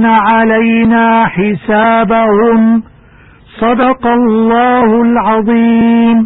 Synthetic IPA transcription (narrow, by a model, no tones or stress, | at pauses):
naʕalajnaːħɪsaːbahʊm | sˤɑd̪ɑqɑllːɑːhɪlʕɑðˤiːm